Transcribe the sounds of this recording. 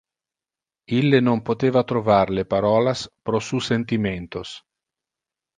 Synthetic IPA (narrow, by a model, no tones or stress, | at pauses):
ilːenompot̪eːvat̪ɾovaɾlepaɾɔːlaspɾosusent̪iment̪os